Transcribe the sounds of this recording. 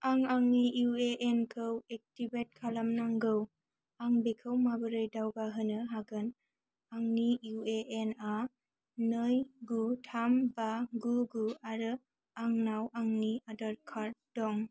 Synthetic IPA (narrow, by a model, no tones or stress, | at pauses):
aŋaŋnijueʔenkʰɯwek̚tibet̚kʰalamnaŋɡɯw | aŋbekʰɯwmabɯɾɯjdawbaɦɯnɯɦaɡɯn | aŋnijueʔena | nɯjɡutʰambaɡuɡuaɾɯ | aŋnawaŋniadaɾkʰaɾdɔŋ